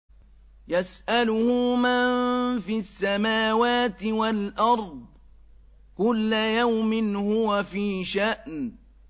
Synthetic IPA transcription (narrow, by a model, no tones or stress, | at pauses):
jasʔalʊhʊmanfiasːamaːwaːt̪ɪwalʔɑɾˤd̪̚ˤ | kʊlːajawmɪnhʊwafiːʃaʔn